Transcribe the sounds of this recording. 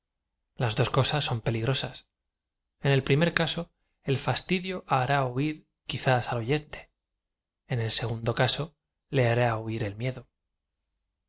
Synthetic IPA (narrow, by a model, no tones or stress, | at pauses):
lazðo̞sko̞sasːo̞mpe̞liɣɾo̞sas | e̞ne̞lpɾimeɾkaso̞ | e̞lfast̪iðjo̞ʔaɾauiɾ | kiθasalo̞ʝe̞nt̪e̞̥ | ene̞lse̞ɣ̞und̪o̞kaso̞ | le̞aɾauiɾe̞lmje̞ðo